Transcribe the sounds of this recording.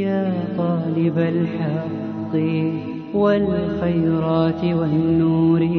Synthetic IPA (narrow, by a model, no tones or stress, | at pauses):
jaːt̪ˤɑːlɪbalħɑ | d̪ˤi | wɪlxajːɾˤɑːt̪wanːuːɾi